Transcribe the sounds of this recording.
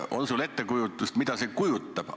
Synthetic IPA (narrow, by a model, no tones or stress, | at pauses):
o̞̰nsule̞t̪ːekujut̪ːˑust̪mid̪̥ɑsekujut̪ːˑɑb̥